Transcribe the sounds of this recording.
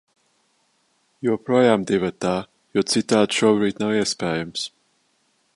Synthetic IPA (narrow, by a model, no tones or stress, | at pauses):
juɔpɾɔjamd̪ivat̪aː | jɔt̪sit̪aːd̪ʃuɔbɾiːt̪nawiɛspɛːjums